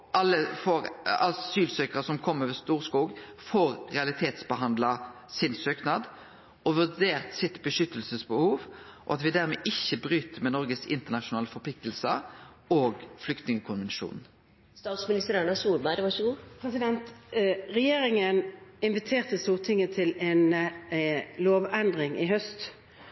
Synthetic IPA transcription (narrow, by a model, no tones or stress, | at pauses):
ʔɑlːəfoːɾɑ̰syːlsøːkəʁəsɔmkʰɔmːəɾʋɛst̪uːʁskuːɡfoːɾːɛɑlɪt̪ʰeːt̪sbəɦɑnd̪lɑ | sɪnsøːknɑːd̪ | ʔɔʋʉʁd̪eːʁt̪sɪt̪bəʂʏt̪ːəlsəsbəhuːʋʔɔ̰ɑt̪ʋɪd̪æɾmɛːʔɪçːəbɾyːt̪əmɛnɔɾɡəsɪ̰nt̪əʁnɑʃʊnɑːləfɔpʰlɪk̚t̪əlsə | oːɡflʏkt̪nɪŋəkʰʊnʋɛnʃṵːn̩ | st̪ɑːt̪smɪnɪst̪əɾæɳɑsuːɾbæɪɾʋɑʂəɡuːpʰʁɛsɪd̪ɛnt̪ʁɛjeːɾɪŋənɪnʋɪt̪ʰeːʁt̪əst̪uːʁt̪ʰɪŋət̪ʰɪlɛn | loːʋɛnd̪ʁɪŋɪɦœst̪